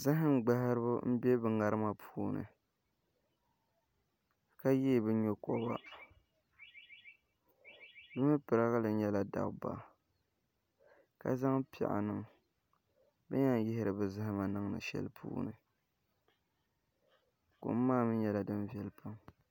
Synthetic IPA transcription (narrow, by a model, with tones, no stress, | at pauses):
za˦ɦɪ˦ŋ˦ɡ͡ba˦ha˦ɾɨ˦bʊ˦m̩˦bɛ˦bɨ˨ŋa˨ɾɨ˦ma˨pʰuː˦nɨ̰˨ | ka˦jeː˦˨bɨ˦ɲo˦kɔ˦ba̰˦ | bɨ˦mɨ˦pɨ˨ɾa˦ɣa˦la˨ɲɛ˦la˨da̰˨bba̰˨ | ka̰˦za˦ŋpɪ̰˨ʔa̰˨nɨ˦ŋ | bɨ˦ɲa˦n˦jɪ˦hɪ˦ɾɨ˨bɨ˨za˦hɪ˦ma˨nɨ˦ŋnɨ̰˨ʃɛ̰˦lpʰṵː˦nɨ̰˨ | ko̰˨m̩˦maː˦mɨ˦ɲɛ˦la˨dɨ˦n˦vi˦ɛ˦lpa˦m